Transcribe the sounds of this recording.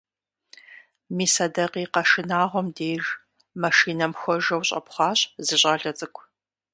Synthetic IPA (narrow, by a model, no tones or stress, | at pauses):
miːsɐdɐqiːqɐʂɨnaːʁʷɔmdeːʒ | mɐʃiːnɐmxʷɔʒɐwɕʼɐ̰pχʷɑːɕzɨɕʼɐɮɐt͡sʼɨkʷʰ